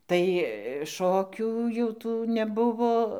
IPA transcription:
tɐɪ ˈʃoːkʲuː jɛʊ ˈtuː nʲɛˈbʊʋoː

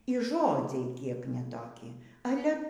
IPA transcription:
iː ˈʒoːd͡zʲɛɪ ˈkʲiɛk nʲɛ toːˈkʲɪ ˈɑːlʲɛ

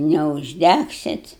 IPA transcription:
nʲɛʊʒʲˈdʲæksʲɪt

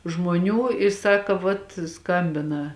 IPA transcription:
ʒmoːˈnʲuː ɪ ˈsɑːkɐ ʋɐt ˈskɐmʲbʲɪnɐ

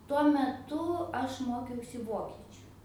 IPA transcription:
tuɔ mʲɛˈtʊ ˈɐʃ ˈmoːkʲɛʊsʲɪ ˈʋoːkʲiɛt͡ʃʲʊ

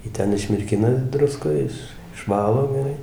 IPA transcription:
ˈjiː ˈtʲɛn ɪʃʲmʲɪrʲˈkʲɪnɐ ˈdrʊskoːj ˈɪʃ ɪʃˈʋɑːlˠoː ɡʲɛˈrɐɪ

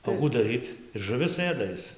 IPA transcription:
oː ˈkuː dɐˈrʲiːt͡s ɪr ʒʊˈʋʲɪs ˈɘdɐ ˈɪs

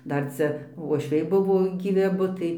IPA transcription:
ˈdɐr ˈt͡sʲɛ ʋuɔʃʲˈʋʲɛɪ ˈbʊʋoː ɡʲiːˈʋʲɪ ɐˈbʊ tɐɪ

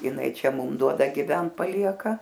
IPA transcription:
jɪˈnɐɪ ˈt͡ʃʲɛ ˈmʊm ˈduɔdɐ ɡʲɪˈʋʲɛnt pɐˈlʲiɛkɐ

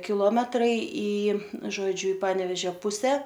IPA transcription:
kʲɪˈlˠoːmʲɛtrɐɪ iː ʒoːˈd͡ʒʲʊ ɪ ˈpɑːnʲɛʋʲɛʒʲoː ˈpʊsʲɛ

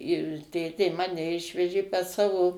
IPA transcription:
ɪr ˈtʲeːtʲeː ˈmɑːnʲɛ ˈɪʃʲʋʲɛʒʲeː pɐs ˈsɑːʋoː

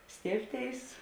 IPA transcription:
ˈsʲtʲeːɪpʲˌtʲeːɪs

